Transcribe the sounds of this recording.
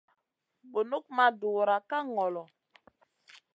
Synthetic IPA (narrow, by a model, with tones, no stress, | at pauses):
ɓo˨nu˦k̚ma˦du˨ɾa˨ka˦ŋɔ˨lɔ˨